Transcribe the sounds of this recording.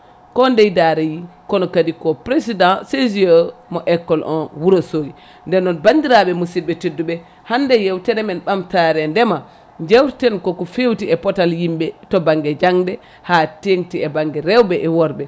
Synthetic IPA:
kɔndɛjdaɾɛjikɔnɔkadikɔpɾesidãseziəmɔʔɛkːɔlʔɔ̰nwuɾosoːɡi | ndɛnːɔnbandiɾaɓɛmusid̚bɛtedːuɓɛ | handɛjewtɛɾɛmɛnɓamtaɾɛndɛma | d͡ʒewtɛnkɔkɔfewtiɛpɔtaljimbɛtɔbaŋɡɛd͡ʒaŋdɛ | hateŋtiɛbaŋɡɛɾɛwbɛʔɛwɔɾbɛ

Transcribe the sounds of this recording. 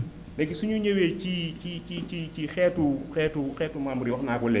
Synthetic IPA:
lekisuɲuɲewet͡ʃit͡ʃit͡ʃit͡ʃit͡ʃixɛtuxɛtuxɛtumamuɾiwaknakɔlɛ̰

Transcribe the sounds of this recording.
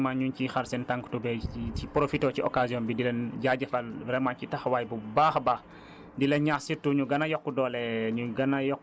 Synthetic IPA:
maɲuɲcixaɾsɛntaŋktubɛiipɾofitɔːciɔkasiɔːnbidilɛnɟaɟɐfɐlbɾɛmacitɐxwaːjbubaːxba | dilenɲasitːuɲuɡɐnɐjɔkːudɔːlɛɲuɡɐnajɔkː

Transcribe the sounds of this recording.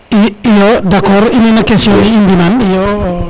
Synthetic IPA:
iijɔdakɔrininakesiɔniːndinanj

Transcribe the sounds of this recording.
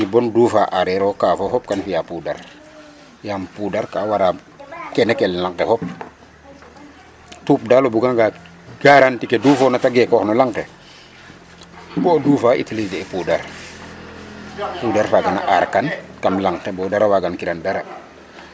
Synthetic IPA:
ibɔndufaʔaɾɛɾɔkaːfɔhɔp̚kanfijapuːda̰ɾ | jampudaɾkawaɾa | kɛnɛkɛllaŋkɛhɔp̚ | tuːp̚dalobuɡaŋɡa | ɡ̥aɾantikeduːfɔnataɡɛkɔxnɔlaŋkɛ | bɔduːfaʔḭtilid͡ʒɛɛpudaɾ | pudaɾfaɡana̰ʔaɾkankamlaŋtɛbɔdaɾawaɡankiɾandaɾa

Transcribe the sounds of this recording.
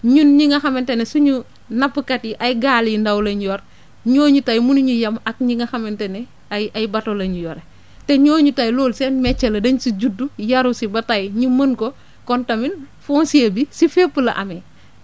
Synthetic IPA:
ɲunɲiŋɐxɐmentenesuɲu | nɐpːəkatiʔajɡaːlndɐwlɐɲjɔɾ | ɲoːɲutajmunuɲujɐmɐk̚ɲiŋɐxɐmɛntene | aajbatolɐɲujɔɾe | teɲoːɲutajloːlsɛnmɛt͡ʃːɐlɐdɐɲusiɟudːujɐɾusibɐtajɲumənko | kɔntɐmin | fɔːnsiebisifepːəlɐ̰ʔɐ̰me

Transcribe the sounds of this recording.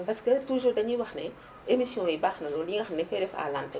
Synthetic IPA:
pɐskətuʒuːɾdɐɲiwɐxnɛ | emisjɔ̃ɛbaːxnɐlɔːljiŋɡɐxnɛfɛdɛfa̰ːlantɐ

